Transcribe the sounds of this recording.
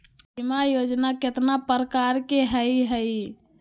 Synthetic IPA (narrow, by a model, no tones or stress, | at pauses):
bimajod͡ʒnaket̪napɾəkaɾkeɦəiɦəi